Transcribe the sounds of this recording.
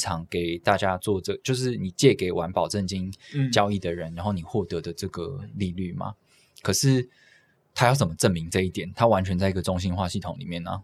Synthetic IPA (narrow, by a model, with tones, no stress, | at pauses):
ʈ͡ʂʰɑ˧˥ŋke˨˩ɪt̪a˥˩t͡ɕja˥t͡swɔ˥˧ʈ͡ʂɤ˥˩t͡ɕjo˥˧ʊʂ̬ɻ̩˥˩ni˨˩t͡ɕjɛ˥˩ke˨˩ɪwa˧˦npɑ˨˩ʊʈ͡ʂə˥˩nt͡ɕi˥nt͡ɕjɑ˥ʊi˥˩d̪ə˩ɻə˧˦nɻa˧˥nxo˥˩ni˨˩xwɔ˥˩t̪ɤ˧˦d̪ə˧˨ʈ͡ʂɤ˥˩ɡə̰˩li˥˧ly˥˩ma̰˨˩ | kʰɤ˨˩ʂɻ̩˥˩ | t̪ʰa˥jɑ˥˩ʊt͡sə˩mə˦ʈ͡ʂə˥˩nmi˧˥ŋt͡sɤ˥˧i˥˩t̪jɛ˨˩˦nt̪ʰa˥wa˧˦nt͡ɕʰɥɛ˧˥nt͡sa˥˩ɪi˧˥ɡə˩ʈ͡ʂʊ˥ŋɕi˥nxwa˥˧ɕi˥˩t̪ʰʊ˧˦ŋlḭ˨˩mjɛ˥˩nːə̰˩